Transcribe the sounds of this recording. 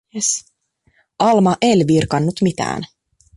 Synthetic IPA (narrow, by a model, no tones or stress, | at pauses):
s | ʔɑlmɑʔelʋirkɑnːut̪mit̪æ̰ːn